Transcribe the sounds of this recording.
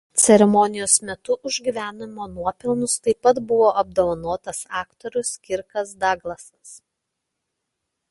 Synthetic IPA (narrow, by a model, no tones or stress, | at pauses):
t̪sʲɛɾʲɛmɔnʲɪjoːsmʲɛt̪ʊʔʊʒʲɡʲiʋʲæːnʲɪmoːnuɔpʲɪlˠnʊst̪ɐɪpɐt̪bʊʋoːʔɐb̚d̪oːʋɐnoːt̪ɐsɑːkt̪ɔɾʲʊskʲɪɾkɐsd̪ɑːɡlˠɐsɐs